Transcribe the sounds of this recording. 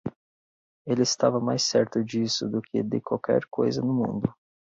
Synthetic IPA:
elɪːst̪avɐmajsɛɾt̪ʊd͡ʒisʊd̪ʊkʰɪd̪ɪkwawkʰɛ̰ɾkojzɐnʊmṵ̃nd̪ʊ

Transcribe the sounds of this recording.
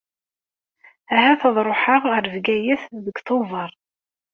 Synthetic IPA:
æɦæθɑðˤɾˤoħaʁəɾvɡæjæθðəɡθˤovɑɾˤ

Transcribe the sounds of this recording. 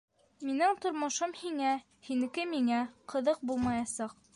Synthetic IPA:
minɘŋt̪ŏɾmŏʃomhiŋæ | hinɘ̆kɘmiŋæqʰɤ̆ðɤq̚bulˠmɑjɑsɑq

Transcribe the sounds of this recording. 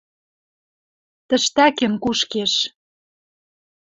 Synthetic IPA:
t̪ə̆ʃt̪ækĕnkuʃkeʃ

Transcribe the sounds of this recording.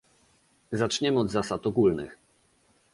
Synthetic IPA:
zat͡ʂɲɛmɘɔd̪zasat̪ɔɡulnɘ̰x

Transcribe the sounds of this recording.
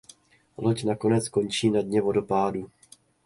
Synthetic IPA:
lo̞cnako̞nɛt͡sko̞nt͡ʃiːnadɲɛvo̞do̞paːdu

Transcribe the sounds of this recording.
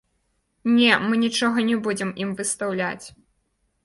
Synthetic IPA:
nʲɛmɨnʲit͡ʂɔɣɐnʲɛbud͡zʲɛmimvɨst̪awlʲa̰t͡sʲ

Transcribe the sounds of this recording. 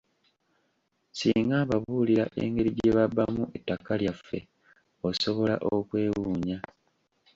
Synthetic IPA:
siːŋɡaːβaβuːliɾaʔe̞̰ːŋɡe̞ɾiɟeβabːamuʔetːakaljafːe̞̰ | oso̞βo̞laʔokwe̞ːwuːɲa

